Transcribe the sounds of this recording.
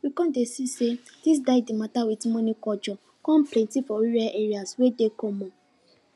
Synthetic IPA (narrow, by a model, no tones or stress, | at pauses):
wikɔ̃desise | d̥is̬daɪdimatawitimɔ̃nĩkɔd͡ʒɔ | kɔ̃m̩plẽtifɔiɾaʔeɾiaswedekõmɔ̃